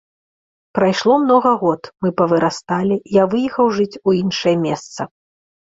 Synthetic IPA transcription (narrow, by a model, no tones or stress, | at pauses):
pɾajʂlˠɔmnɔɣɐɣɔt̪mɨpɐvɨɾast̪alʲijavɨjɛxɐwʐɨt͡sʲuinʂɐjɛmʲɛst̪sɐ